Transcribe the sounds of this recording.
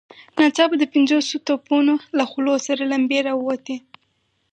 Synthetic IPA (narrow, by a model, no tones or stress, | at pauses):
nɑt͡ʃɑbad̪əpɪnzosot̪opunolaxlosaɾalambeɾawwat̪i